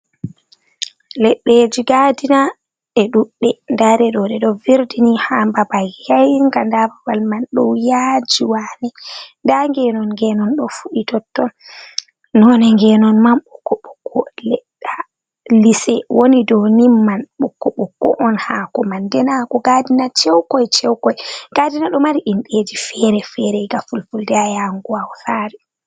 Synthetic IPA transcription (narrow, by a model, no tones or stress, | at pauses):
lɛɗːed͡ʒiɡadina | ʔɛɗuɗːɛndaɾɛɗɔɗɛɗɔviɾdinihambabajajŋɡandababalmanɗɔwjad͡ʒiwanɛndaŋɡɛnɔnŋɡɛnɔnɗɔ̰fuɗitɔtːɔn | nɔnɛŋɡɛnɔnmamɓukːɔɓukʰːɔlɛɗa | lisɛwʔonidɔnimːanɓukːɔɓukːɔ̰ʔɔnhakɔmandɛnakɔɡadinat͡ʃɛwkɔjt͡ʃɛwkɔjɡ̥adinaɗɔmaɾiʔinɗed͡ʒifɛɾɛfɛɾɛɡafulfuldɛajaŋɡuawhaɾi